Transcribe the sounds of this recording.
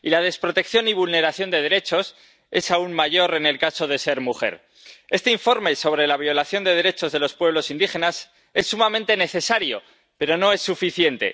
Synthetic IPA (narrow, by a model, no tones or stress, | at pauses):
ilað̞e̞spɾo̞t̪e̞kθjo̞niβ̞ulne̞ɾaθjo̞nd̪e̞ðe̞ɾe̞t͡ʃo̞s | e̞saunmaʝo̞ɾe̞ne̞lkaso̞ð̞e̞se̞ɾmuxe̞̰ɾ | e̞st̪eiɱfo̞ɾme̞so̞βɾe̞laβ̞jo̞laθjo̞nd̪e̞ð̞e̞ɾe̞t͡ʃo̞zðe̞lo̞spwe̞β̞lo̞sind̪ixe̞nas | e̞sːumamẽnt̪e̞ne̞θe̞saɾjo̞̰ | pe̞ɾo̞no̞e̞sːufiθje̞nt̪e̞̰